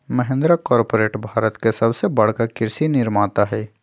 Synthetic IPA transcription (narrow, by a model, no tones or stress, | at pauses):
mɐɦẽnd̪ɾakɔːɾpoːɾeːʈbʱaːɾət̪kesɐbsebɐɽ̤kakɪɾsinɪɾmaːt̪aɦɛː